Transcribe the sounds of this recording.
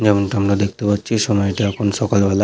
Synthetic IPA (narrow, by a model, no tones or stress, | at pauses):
d͡ʑɛmonʈaamɾad̪ek̚ʰt̪epatːɕʰiʃɔmɔeʈiɛkʰonʃɔkalbʱɛla